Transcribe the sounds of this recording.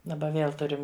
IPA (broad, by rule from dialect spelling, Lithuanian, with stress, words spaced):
dɐˈbɐ ˈʋʲeːlˠ ˈtʊrʲɪm